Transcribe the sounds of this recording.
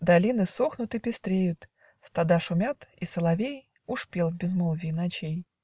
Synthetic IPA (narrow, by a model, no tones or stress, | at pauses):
d̪ɐlʲinɨsoxnʊt̪ɨpʲɪst̪ɾʲejʊt̪ | st̪ad̪aʂʊmʲat̪isəlˠɐvʲej | ʊʂpʲelˠvbʲɪzmolˠvʲinɐt͡ɕej